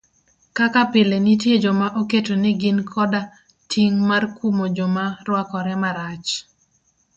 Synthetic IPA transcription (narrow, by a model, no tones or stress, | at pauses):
kakapɪlenitjed͡ʒomaʔoketonɪɡɪnkʰɔda | tʰiŋmarkumod͡ʒomarwakɔɾɛmaɾat͡ʃ